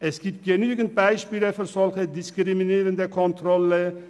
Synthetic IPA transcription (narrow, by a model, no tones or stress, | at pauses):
ʔɛsɡ̥iːpt̚ɡ̥enyːɡən̩t̚b̥aɪʃpiːləfyːsɔlxədɪskʁiminiːɾəndəkʰɔnt̪ʁɔlə